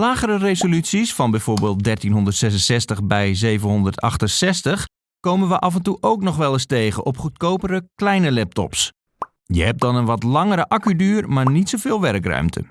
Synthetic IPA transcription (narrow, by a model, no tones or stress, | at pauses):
laːɣərɾərezolytsisfɑnbɛjv̥oːɹbeːlˠt̚dɛrtinɦondərtsɛsənsɛstəχbɛjzeːvənɦɔndərtɑ̰xtənsɛstəx | kowmənʋəʔɑfəntuʔowknɔχʋɛlˠɪsteːɣəʔɔpχutkoːpədəklɛjnəlɛp̚tɔ̰ps | jəhɛp̚dɔnənʋɔtlɑŋəɾəʔakydyːrmaːɹnitsowvɪːlˠʋɛrkrœ̰ɥmtʰə̰